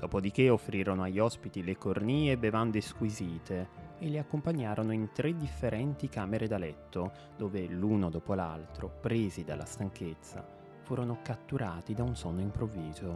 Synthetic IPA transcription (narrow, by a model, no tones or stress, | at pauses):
d̪̥ɔːpod̪ik̟eofːɾiːɾonoaʎːɔspit̪ilekorniːebevand̪eskwiziːt̪ʰeːliakːompaɲːaːɾʔonoint̪ɾed̪ifːeɾɛnt̪ikaːmeɾed̪alɛt̪ːo | d̪ɔːvelunod̪ɔːpola̰lt̪ɾopɾeːzid̪a̰la̰st̪aŋket̪sːa̰ | fuːɾonokat̪ːuɾaːt̪id̪aunsɔnːoimpɾovːiːzo